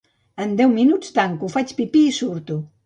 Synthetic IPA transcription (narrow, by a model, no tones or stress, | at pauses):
ənd̪ɛwminut͡st̪aŋkufat͡ʃpipiːsuɾt̪u